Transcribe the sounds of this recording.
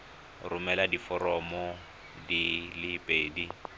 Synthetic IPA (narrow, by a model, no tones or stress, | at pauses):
rʊmɛladifɔɾɔmɔ | dilipʼeːdi